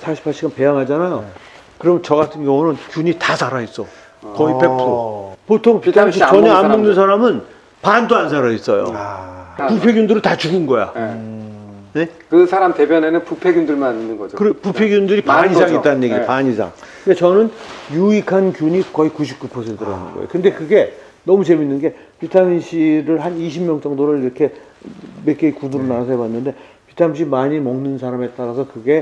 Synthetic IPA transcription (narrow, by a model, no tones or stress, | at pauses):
sʰaɕʰi̥pʰːaɭɕ͈ʰiɡanpe̞jaŋɦad͡ʑanajo | kɯɾʌmnt͡ɕʌɡatʰɯnɡjʌŋunɯnkʲjuɲitasʰaɾais͈ʌ | kʌipepʰopotʰoŋtaɕ̬it͡ɕʌɲʌammoŋnɯnsʰaɾamɯn | pandoansʰaɾais͈ʌ̰jo̰ | pupʰe̞ɡjundɯɾɯɭtat͡ɕuɡinɡʌja̰ | ne̞kɯsʰaɾamte̞bjʌne̞nɯnpupʰe̞ɡjundɯɭmananinːɯnɡʌd͡ʑokɯɾepupʰe̞ɡjundɯɾipaɲisʰaŋit͈anɯnjeɡid͡ʑepaɲisʰa̰ŋkɯndet͡ɕʌnɯnjuikʰankjuɲikʌikuɕʰip̚k͈upʰosʰe̞ntʰɯɾaanɯ̰nɡʌjḛo̰kɯnde̞kɯɡe̞ | nʌmut͡ɕe̞minːɯnɡe̞pitʰamiɕʰiɾɯɭɦaniɕʰimjʌŋt͡ɕʌŋdoɾɯɭɾiɾʌkʰe̞ | mek͈eikunɯɾonasʰʌebanːɯnde̞ | pitʰaɲimɕ̬ʰimaɲimʌŋnɯnsʰaɾame̞t͈aɾasʰʌkɯɡe̞